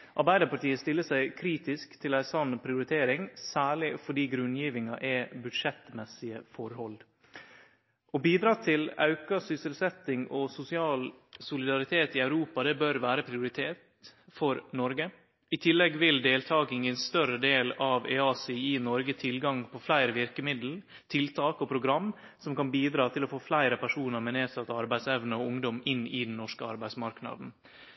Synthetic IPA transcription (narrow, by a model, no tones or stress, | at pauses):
ʔɑɾbæɪd̪əpɑʈiːəst̪ɪlːəsæɪkʰɾiːt̪ɪskt̪ʰɪlæɪsɑnːpʰɾɪʊɾɪt̪ʰeːɾɪŋsæːɭɪfɔɖiːɡɾʉnjiːʋɪŋɑʔɛbʉd̪ʂɛt̪mɛsɪəfɔɾhɔl | ʔɔbiːd̪ɾɑːt̪ʰɪlɑ̰ʉkɑsʏsɪlsɛt̪ːɪŋɔsʊsɪɑːlsʊlɪd̪ɑɾɪt̪ʰeːt̪ɪɑʉɾuːpɑd̪ɛbœɾʋæːɾəpʰɾɪʊɾɪt̪ʰeːt̪fɔɾnɔɾɡə | ɪt̪ʰɪlːɛɡʋɪld̪eːlt̪ʰɑːɡɪŋənst̪œɾəd̪eːlɑʋɛ̰ɑːsɪɪnɔɾɡət̪ʰɪlɡɑŋpʰɔflæɪɾəʋɪɾkəmɪd̪l̩ | t̪ʰɪlt̪ʰɑːkɔpʰɾʊɡɾɑmː | sɔmkɑnbiːd̪ɾɑːt̪ʰɪlɔfoːflæɪɾəpʰæʂuːnəɾmɛneːsɑt̪ɑɾbæɪsɛʋnəɔʊŋd̪ɔmɪnːɪd̪n̩nːɔʂkəɑ̰ɾbæɪsmɑɾknɑ̰d̪n̩